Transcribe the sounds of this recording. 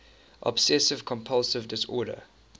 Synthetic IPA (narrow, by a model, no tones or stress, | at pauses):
ʔɔ̰b̥sɛsɪv̥kʰɔ̃mpʰʌlˠsɪvdɪsɔːɾə̰